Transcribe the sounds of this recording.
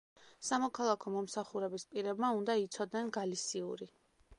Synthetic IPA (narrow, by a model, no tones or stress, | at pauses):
samɔkʰalˠakʰɔmɔmsaχuɾɛbispʼiɾɛbmaund̪ait̪sʰɔd̪nɛnɡalisiuɾi